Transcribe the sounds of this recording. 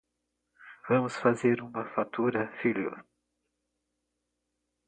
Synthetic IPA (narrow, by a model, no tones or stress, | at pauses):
vɐ̃mʊsfazeɾũmɐfat̪uɾɐfiljo̰